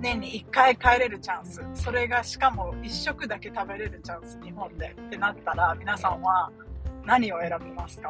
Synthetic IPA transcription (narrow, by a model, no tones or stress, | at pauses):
nẽ̞ɲ̟ːiːkːaikaeɾe̞ɾɯ̟t͡ɕãɰ̃sɨso̞ɾe̞ɡaɕi̥kamo̞iɕːo̞kɯ̟d̪ake̞t̪abe̞ɾe̞ɾɯ̟t͡ɕãɰ̃sɨ̥ɲ̟iɦõ̞nd̪e̞t̪ːe̞nat̪ːaɾamʲinasãɰ̃βa | naɲ̟io̞e̞ɾabemasɨ̥ka